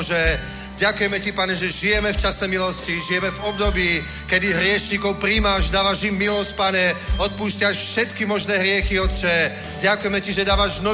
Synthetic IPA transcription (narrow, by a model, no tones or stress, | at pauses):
ʒɛ | ɟakujɛmɛcipaɲɛʒɛʒijɛmɛft͡ʃasɛmilɔsciʒijɛmɛvɔb̚d̪ɔbiː | kɛd̪iɦɾɪɛʃɲikɔʊpɾiːmaʒd̪aːʋaʒimːilɔsc̚paɲɛɔt̪̚puːscɪaʃfʃɛt̪kimɔʒnɛːɦɾɪɛxiɔt̪t͡ʃɛ | ɟakujɛmɛciʒɛd̪aːʋaʒnɔ